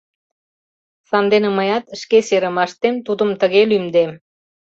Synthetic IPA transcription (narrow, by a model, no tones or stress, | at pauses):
sɑnd̪enəməjɑt̪ʃkeseɾə̆mɑʃt̪emt̪ud̪əmt̪əɣelymd̪e